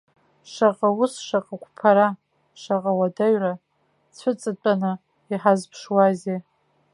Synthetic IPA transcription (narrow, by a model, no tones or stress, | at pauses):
ʂaqʼausʂaqʼakʷʰʼpʰaɾa | ʂaqʼawadaɥra | t͡sʷʰʊt͡sʼɨt͡pʼanɨ | iħazpʰʂwaze